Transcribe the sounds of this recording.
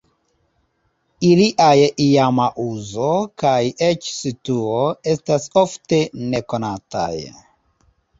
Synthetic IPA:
iliʔajiamaʔuzo̞kajet͡ʃsituoe̞staso̞fte̞neko̞nata̰j

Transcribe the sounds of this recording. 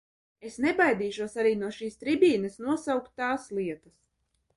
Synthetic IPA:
esnebajd̪iːʃuɔsaɾiːnuɔʃiːst̪ɾibʲiːnɨsnuɔsawkt̪ːaːslˠiɛt̪as

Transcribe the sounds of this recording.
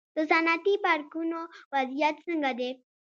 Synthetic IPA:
t̪osanat̪ipaɾkunoʋad͡zjat̪sə̃ŋɡad̪e

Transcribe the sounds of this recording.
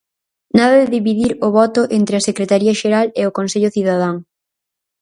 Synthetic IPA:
naðɐðɪðiβiðiɾʊβɔt̪ʊʔent̪ɾeɪɐsekɾet̪aɾiɐʃeɾaleokonseʎʊθiðað̞aŋ

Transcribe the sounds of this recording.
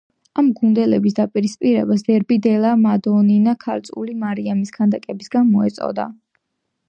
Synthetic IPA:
amɡund̪ɛlɛbis̬d̪apʼiɾispʼiɾɛbasd̪ɛɾbid̪ɛlamad̪ɔninakʰaɾt̪sʼṵlimaɾiamiskʰand̪akʼɛbisɡanmɔɛ̰t̪sʼɔ̰d̪a̰

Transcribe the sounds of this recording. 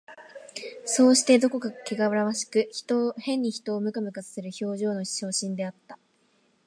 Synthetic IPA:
so̞ːɕi̥t̪e̞d̪o̞ko̞kakeɡaβɯɾaβaɕi̥kɯ̟ç̥t̪ohẽ̞ɲ̟ːiçi̥t̪o̞ːmɯ̟kamɯ̟kat͡sɨ̥seɾɯ̟ço̞ːʑo̞ːno̞̥ɕo̞ːɕĩnd̪e̞at̪ːḁ

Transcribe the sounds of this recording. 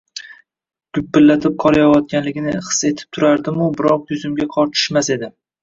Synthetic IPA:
ɡ̥ʊbːɪlːat̪ʰɪp̚qʰɒɾajawɒt̪̚kʲanlɪɡʲɪnɪχɨ̥se̞t̪ʰɪ̥p̚t̪ʰʊɾaɾd̪ɪmʊbɪɾɒq̚jʊzɪmɡʲaqʰɒɾt̪ʰɪ̥ʃmase̞d̪ɪ

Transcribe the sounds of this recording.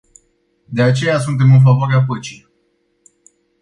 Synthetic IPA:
d̪e̞at͡ʃe̞jasunt̪e̞mɨnf̬avoaɾeapət͡ʃil

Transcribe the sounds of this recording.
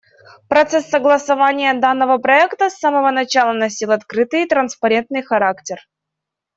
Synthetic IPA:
pɾɐt̪sɛsːəɡlˠəsɐvanʲɪjəd̪anːəvəpɾɐɛkt̪əsːaməvənɐt͡ɕalˠənɐsʲilˠɐt̪kɾɨt̪ɨjt̪ɾənspɐɾʲe̞nt̪nɨjxɐɾaktʲɪr

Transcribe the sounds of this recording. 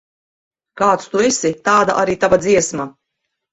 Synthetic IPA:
kaːt̪st̪uɛsit̪aːd̪a̰ʔaɾiːt̪avad̪ziɛsma

